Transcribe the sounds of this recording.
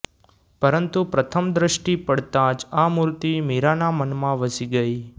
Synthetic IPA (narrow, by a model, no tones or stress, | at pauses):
pəɾənt̪upɾət̪ʰəmd̪ɾəʃʈipəɽt̪ãd͡ʒamuɾt̪imiɾanamənmãʋəsiɡəi